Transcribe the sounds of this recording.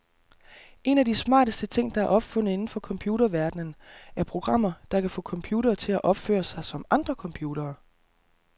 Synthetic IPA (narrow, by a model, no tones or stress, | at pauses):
ʔe̝næd̥ismɑ̰̈ːd̥əsd̥ət͡sʰe̝ŋ̰d̥ɑ̈æɐʔɒ̽b̥fɔ̽n̰ð̩e̝nn̩fɒ̽kʰɒ̽mpʰjuːɾɐʋæɐd̥nənæɐpʰʁo̝ɡ̥ʁɑ̈m̰ɐd̥ɑ̈kʰæfɔ̰̽ːkʰɒ̽mpʰjuːɾɐːt͡sʰe̝læʔɒ̽b̥fø̰ːɐsɑ̈ɪsɒ̽mɑ̈nd̥ʁɐkʰɒ̽mpʰjuːd̥ɐː